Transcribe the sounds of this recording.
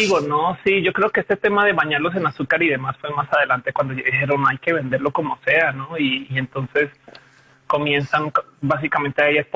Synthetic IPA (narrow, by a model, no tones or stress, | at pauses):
iɣonosiʝokɾe̞okeest̪et̪e̞maðe̞βaɲaɾlo̞s̬e̞nasukaɾiðe̞masfwe̞smasaðe̞lant̪e̞kwand̪oðixe̞ɾo̞najke̞βe̞nd̪e̞ɾlo̞ko̞mo̞se̞ano̞iːe̞nt̪o̞nse̞s | ko̞mje̞nsaŋ | bas̬ikament̪eaeʝasp